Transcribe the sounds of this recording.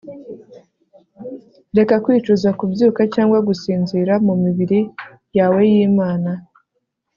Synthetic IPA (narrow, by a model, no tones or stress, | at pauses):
ɾe̞kakwiːt͡ʃuzakubjuːkacaːŋɡwaɡusiːnziːɾamumiβiɾi | jawe̞jiːmaːna